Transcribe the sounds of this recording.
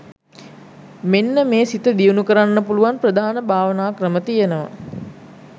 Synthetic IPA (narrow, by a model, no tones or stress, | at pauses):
menːəmeːsit̪əd̪ijunukəɾanːəpuluʋanprəd̪ʱaːnəbʱaːʋənaːkrəmət̪ijenəʋa̰